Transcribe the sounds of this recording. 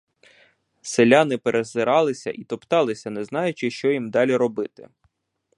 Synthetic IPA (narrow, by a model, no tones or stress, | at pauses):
selʲanɪpeɾʔezɪɾɑlˠɪsʲɐ̰ʔit̪ɔpt̪ɑlˠɪsʲɐnɛznɑjʊt͡ʃɪʃt͡ʃɔjimd̪ɑlʲiɾɔbɪt̪ɪ̥̰